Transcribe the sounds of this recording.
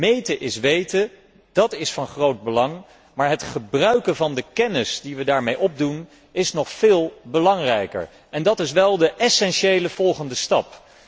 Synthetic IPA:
mejtəʔɪsʋejtə | d̥ɑtɪsfɑnχrowd̚bəlɑŋ | maːɹɦətχəbrœɥkənvɑndəkɛnɪsdiʋədaːɹmejʔɔb̚dun | ɪsnɔχfɪːlˠbəlɑŋrɛjkə̰ɹ | ɛndɑtɪsʋɛlˠdəʔɛsɛnʃejləv̥ɔlˠχəndəstɑp

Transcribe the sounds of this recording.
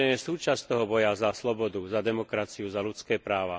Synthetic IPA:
ɛɲɛsuːt͡ʃast̪ɔɦɔbɔjazaslɔbɔd̪uzad̪ɛmɔkɾat͡siuzalut͡skɛːpɾaːʋa

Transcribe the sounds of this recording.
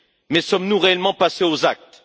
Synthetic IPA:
mɛsɔmnuʁeɛlmɑ̃paseozak̚t̪

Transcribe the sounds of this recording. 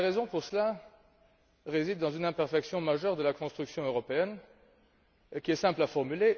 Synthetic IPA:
aʁezɔ̃puʁsəla | ʁezid̪ːɑ̃zynɛ̃pɛʁfɛksjɔ̃maʒœʁd̪əlakɔ̃st̪χyksjɔ̃øʁɔpeɛn | kʲiɛsɛ̃plafɔʁmyle

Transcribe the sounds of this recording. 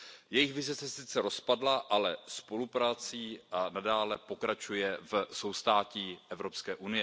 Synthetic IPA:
jɛjɪxvɪzɪsɛsɪt͡sɛɾo̞spadlaʔalɛspo̞lupɾaːt͡siːanadaːlɛpo̞kɾat͡ʃujɛvso̞wst̪aːciːʔɛvɾo̞pskɛːʔunɪjɛ

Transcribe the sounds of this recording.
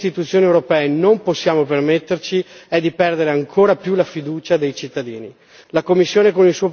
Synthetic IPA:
st̪it̪ut̪sːjoːniewɾopɛːenomposːjaːmopermet̪ːert͡ʃiɛd̪ːipɛrd̪eɾeaŋkʰoːɾapjulafid̪uːt͡ʃad̪ejt͡ʃit̪ːad̪iːni | lakomːisːjoːnekonilsuːo

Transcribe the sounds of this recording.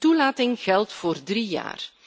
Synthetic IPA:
tulaːtɪŋɣɛlˠtfoːrdrija̰ːr

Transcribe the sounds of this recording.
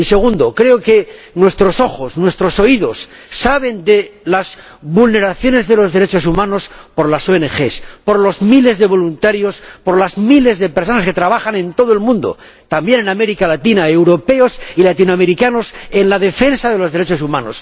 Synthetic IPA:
ise̞ɣ̞und̪o̞kɾe̞oke̞ | nwe̞st̪ɾo̞so̞xo̞snwe̞st̪ɾo̞so̞iðo̞sː | aβe̞nd̪elaz | βulne̞ɾaθjo̞ne̞zðe̞lozðeɾe̞t͡ʃo̞sumãno̞spo̞ɾlasoene̞xe̞spo̞ɾlo̞zmile̞zðe̞β̞o̞lunt̪aɾjo̞spo̞ɾlazmile̞zðe̞pe̞ɾso̞naske̞t̪ɾaβ̞axanẽ̞nt̪o̞ðoe̞lmũnd̪o̞̰ | t̪ambje̞ne̞name̞ɾikalat̪inaewɾo̞pe̞o̞silat̪inoame̞ɾikano̞se̞nlaðe̞fe̞nsaðelo̞zðe̞ɾe̞t͡ʃo̞sumãno̞̰s

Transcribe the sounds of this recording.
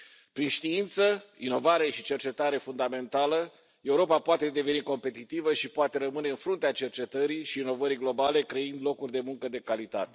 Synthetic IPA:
pɾinʃt̪iint̪səino̞vaɾe̞ʃit͡ʃe̞rt͡ʃe̞t̪aɾe̞fund̪ame̞nt̪alə | e̞uɾo̞papoat̪e̞d̪e̞ve̞niko̞mpe̞t̪it̪ivəʃipoat̪e̞ɾəmɨne̞ɨnfɾunt̪eat͡ʃe̞rt͡ʃe̞t̪əɾiʃiːno̞vəɾiɡlo̞bale̞kɾeind̪lo̞kurʲd̪e̞muŋkəd̪e̞kalit̪at̪e̥

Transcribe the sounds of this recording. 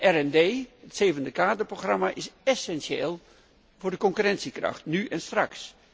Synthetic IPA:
ʔɛrɛndeːətseːvəndəkaːdəproxramaʔɪsɛsɛnsjeːlˠ | vʊːrdəkɔŋkyrɛnsikrɑ̰xtnyʔɛnstraks

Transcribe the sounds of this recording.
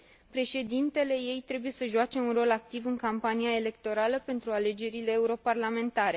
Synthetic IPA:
pɾe̞ʃe̞d̪int̪e̞le̞je̞jt̪ɾe̞buje̞səʒuat͡ʃe̞unro̞lak̚t̪ivɨŋkampaniae̞le̞k̚t̪o̞ɾaləpe̞nt̪ɾuale̞d͡ʒe̞ɾile̞ːuɾo̞parlame̞nt̪aɾe̞

